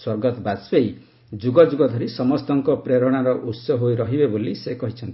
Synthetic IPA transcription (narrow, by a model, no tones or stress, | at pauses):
swɔɾɡɔt̪ɔbasbej | d͡ʒuɡɔd͡ʒuɡɔd̪ʱɔɾisɔmɔst̪ɔŋkɔpɾeɾɔɽ̃aɾɔʔusɔɦojɾɔɦibebolisekɔɦit͡ʃʰɔnt̪i̥